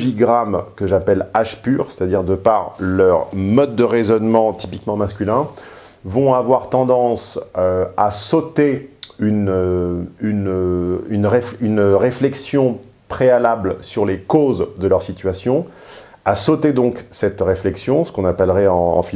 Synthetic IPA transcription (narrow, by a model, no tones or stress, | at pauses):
ʒiɡʁamkəʒapɛlaʃpyʁse̥t̪ad̪iʁd̪əpaʁlœʁmɔd̪̚ːəʁezɔnmɑ̃t̪i̥pikmɑ̃maskʲylɛ̃ | vɔ̃avwaʁt̪ɑ̃d̪ɑ̃søasot̪eynøynøynʁeynʁeflɛksjɔ̃ | pχealablsyʁlekozd̪əlœʁsit̪ɥasjɔ̃ | asot̪ed̪ɔ̃ksɛt̪ʁeflɛksjɔ̃sə̥kɔ̃napɛlʁɛɑ̰̃ːfi